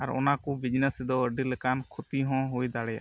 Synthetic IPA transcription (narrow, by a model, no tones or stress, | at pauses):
aɾɔ̰nakubid͡ʒnesid̪ɔəɖilɛkankʰut̪iɦɔ̃ɦujd̪aɽɛja̰ʔ